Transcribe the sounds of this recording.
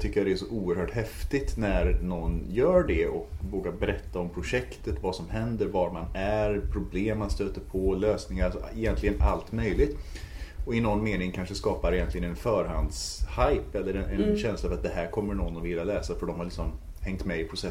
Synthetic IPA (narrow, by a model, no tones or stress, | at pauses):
t̪ʰʏkːəɾjad̪ɛæʂɔʔuːəɾhœːʈhɛft̪ɪt̪næɾnɔnːjœːɖɛɔkvoːɡabɛɾɛt̪ːaɔmpʰɾʊʂɛkt̪ət̪vasɔmɦɛnd̪əɾvaɾmanæɾpʰɾʊbleːmːanst̪øːt̪əɾpʰɔløːsnɪŋaɾasɔɪjɛnt̪lɪɡənalt̪mœjlɪɡt̪ɔɪnɔnːmeːnɪŋkʰanʂəskɑːpaɾɪjɛnt̪lɪɡənɛnfœːɾɦand̪shajpɛlːəɾɛnʔɛnɕɛnslaːvat̪̚d̪ɛɦæɾkʰɔmːəɳɔnːɔvɪlːalɛːsafœɖɔmhaɾɭɪksɔm | hɛŋt̪mɛɪpʰɾʊsɛ